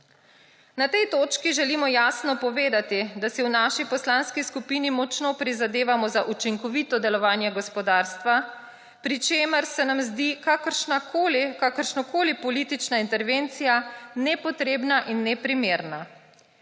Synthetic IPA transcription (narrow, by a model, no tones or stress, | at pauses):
nat̪ɛjt̪oːt͡ʃkiʒɛlimɔjaːsnɔpɔʋeːd̪at̪id̪asiwnaːʃipɔslaːnskiskupiːnimɔt͡ʃnopɾizad̪eːʋamɔzaʔut͡ʃiŋkɔʋit̪ɔd̪ɛlɔʋaːnjɛɡɔspɔd̪aːɾst̪ʋa | pɾit͡ʃeːməɾsɛnamzd̪ikakɾʃnakolkakəɾʃnɔkoːlipɔliːt̪it͡ʃnaint̪ɛɾʋent̪sijanɛpɔt̪ɾeːbnaʔinːɛpɾimeːɾna